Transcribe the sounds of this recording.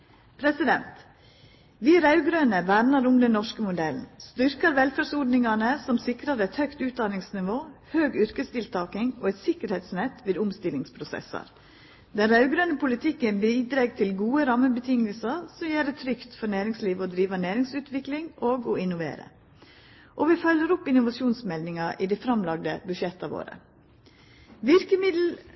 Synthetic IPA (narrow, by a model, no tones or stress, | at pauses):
pʰɾɛsɪd̪ɛnt̪ | ʋiːɾɑʉɡɾøːnəbæɾnɑɾʊmd̪ɛnːɔʂkəmʊd̪ɛln̩st̪ʏɾkɑɾʋɛlfæsɔɖnɪŋɑnəsɔmsɪkɾɑɾɛt̪hœʏkt̪ʉːt̪̚d̪ɑnɪŋsnɪʋoːhøːɡʏɾkəst̪ɪlt̪ʰɑːkɪŋoːɛt̪sɪkəɾheːt̪snɛt̪ːʋeːd̪ʊmst̪ɪlːɪŋspʰɾʊsɛ̰sɑ̰ɾ | d̪ɛnɾɑʉɡɾœnəpʰʊlɪt̪ʰɪkːənbiːd̪ɾeːɡt̪ʰɪlɡuːəɾɑməbət̪ʰɪŋːəlsəɾsɔmjeːɖɛt̪ʰɾʏkt̪fɔnæːɾɪŋsliːʋɔd̪ɾiːʋənæːɾɪŋsʉːt̪ʰʋɪklɪŋʔoːɡɔɪnʊʋḛːɾə̰ | ʔɔʋɪfœləɾʊpɪnʊʋɑʂuːnsmɛld̪ɪŋɑʔɪd̪ɛfɾɑmlɑɡd̪ə̰bʉʃɛt̪ːɑʋo̰ːɾə̰ | ʋɪɾkəmɪd̪l̩